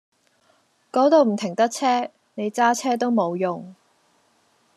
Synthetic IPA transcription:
kɔː˨˥t̪o˨˧wm̩˨˩t̪ʰɪ˨˩ŋt̪ɐ˥k̚t͡sʰɛː˥ | ne˨˧jt͡saː˥t͡sʰɛː˥t̪̬o˥wmo˨˧wjʊ˨ŋ

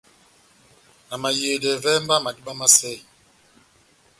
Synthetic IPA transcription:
na˨ma˨je˨dɛ˨vɛ˦m˦ba˦ma˨di˦ɓa˦ma˦sɛ˦˨i˨

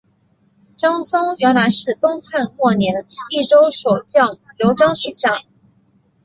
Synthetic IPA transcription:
ʈ͡ʂɑ˥ŋsʊ˥ŋɥɛ˧˥nla˧˥ɪʂɻ̩˥˩t̪ʊ˥ŋxa˥˧nkwɔ˥˩njɛ˧˥ni˥˩ʈ͡ʂo˥ʊʂo˨˩ʊt͡ɕjɑ˥˩ŋ | ljo˧˥ʊʈ͡ʂɑ˥ŋʂwe˨˩ɕjɑ˥˩ŋ

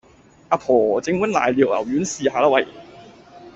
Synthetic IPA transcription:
ʔaː˧pʰɔː˨˩t͡sɪ˧ŋwnla̰ː˨˩jliː˨˩w̚lɐ̰˨˩wjyː˨˥nsiː˧haː˧laː˧wɐ˨˩j

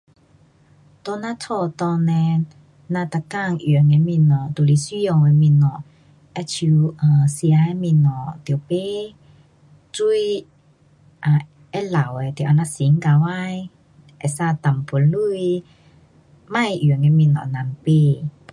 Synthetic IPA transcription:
t̪ɔ˧nã˧t͡sʰɔ˧t̪ɔ˧nɛ̃˧ | nã˧t̪a˨˧˨ka˥˧˨ŋʔŋɛ˧mĩ˧˨nɔ˨t̪u˨li˧˨si˦jɔ˧ŋɛ˧mĩ˧˨nɔ˨ | ʔɛ˧˦t͡ɕʰu˧ʔə˨si˧a˧˦ɛ˧˦mĩ˧nɔ˨˩˨t̪i˨wpe˦ | t͡su˧˥j | ʔa˧˩ | ʔɛ˧˦la˨˩wɛ˧˨t̪i˨˩ʔa˧na˧si˨˦ŋka˧wa˧˨j | ʔɛ˨sa˧˨t̪a˨˩mpʰu˧˨˦lu˧˨j | mã˧˨jy˨ŋɛ˧mĩ˧˨nɔ̰˨nã˧˨mpe˧˨

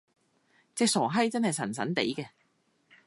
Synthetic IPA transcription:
t͡sɛː˧ksɔː˨˩ɦɐ˥jt͡sɐ˥nhɐ˨jsɐ˨˩nsɐ˨˥nt̪ḛ˨˥jkɛː˧

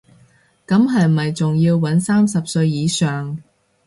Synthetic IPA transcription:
kɐ˨˥mɦɐ˨j̩˨ɐ˨jt͡sʊ˨ŋjiː˧wːɐ˨˥nsaː˥msɐ˨p̚sɵ˧ɥjiː˨˧sœː˨ŋ

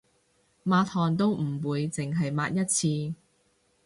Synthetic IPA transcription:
maː˧t̪ʰɔː˨˩nt̪o˥wm̩˨˩wuː˨˧jt͡sɪ˨ŋɦɐ˨jmaː˧t̚jɐ˥t̚t͡sʰiː˧

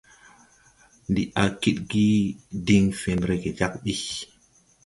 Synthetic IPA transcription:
ndi˨ʔa˨ki˦ɗɡi˦di˦ŋfe˨nɾe˨ɡe˨d͡ʒa˦k̚ɗi˦

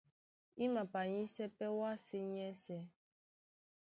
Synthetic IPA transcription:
i˦ma˨pa˨ɲĩ˦sɛ˦pɛ˦wa˦˨se˦ɲ˦ɛ˦sɛ˦

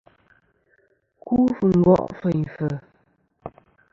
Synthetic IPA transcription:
kʰu˦fu˨ŋ̩˦ɡɔ̰˦ʔfə˨fə˨

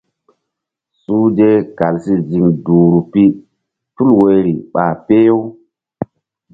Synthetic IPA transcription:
su˦d͡ʒe˦ka˨lsi˦zi˨mdu˨ɾu˨pi˦ | tu˦lwo˨jɾḭ˨ɓa˨pe˦jo˦w

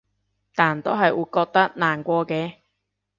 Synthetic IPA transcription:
t̪aː˨˩nt̪o˥ɦɐ˨jwuː˨˧˥jkɔː˧k̚t̪ɐ˥k̚naː˨˩nkʷɔː˧kɛː˧

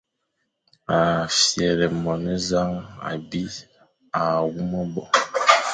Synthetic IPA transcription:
a˨fjɛ˨lɛ˨mɔ˨nɛ˦za˦ŋa̰˨bi˦ | a˨wu˦mə˦bɔ˨

